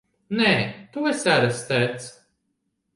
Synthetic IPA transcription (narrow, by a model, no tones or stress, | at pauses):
nɛːt̪uɛsæɾast̪æːt̪s